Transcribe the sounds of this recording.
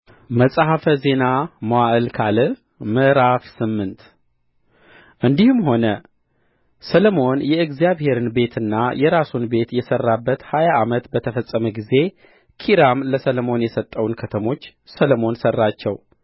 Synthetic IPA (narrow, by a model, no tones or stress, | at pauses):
məsʼaɦafəze̞naməwaʔɨlkʰalɨ | mɨʔɾafsɨmːɨnt̪ | ʔɨnd̪ihɨmɦo̞nə | sələmo̞njɛɨɡzijaβhe̞ɾɨnbe̞t̪ʰɨnːajɛɾasunbe̞t̪jɛsərːabːət̪hajaʔːmət̪bət̪ʰəfəsʼːəməɡize̞ | kʰiɾamləsələmo̞njɛsət̪ʼːəwnkʰət̪ʰəmo̞t͡ʃːsələmo̞nsərːat͡ʃːɛw